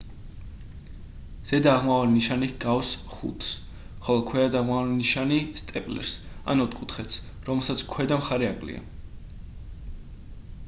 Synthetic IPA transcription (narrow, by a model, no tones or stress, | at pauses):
z̥ɛd̪aːʁmavaliniʃaniɡ̥awsχṵt̪ʰs | χɔlˠɔkʰwɛad̪aʁmavaliniʃanist̪ʼɛpʼlɛ̰ɾs | a̰nɔt̪ʰʼkʼut̪ʰχɛt̪s | ɾɔmɛlˠsat̪sʰkʰwɛd̪amχaɾɛakʼlḭa̰